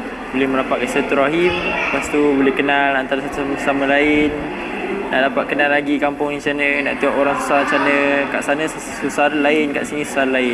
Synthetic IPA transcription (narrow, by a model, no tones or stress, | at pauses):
bolɛhməɾapaʔ̪̚kasat̪uɾaɦimpast̪ubolɛhkənalant̪aɾasat̪usamsaməlaɪnː | a̰ʔdapaʔ̪̚kənalaɡikampʊŋit͡ʃanə̃na̰ʔt̪iaʔoɾaŋsu̥saɦt͡ʃanə̃ka̰ʔsanə | susaɾalaɪnka̰ʔsinĩsu̥saɾalaɪn